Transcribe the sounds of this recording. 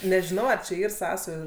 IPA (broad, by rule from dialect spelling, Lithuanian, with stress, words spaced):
nʲɛʒʲɪˈnɐʊ ɐr t͡ʃʲɛ ˈiːr ˈsɑːsɐjuː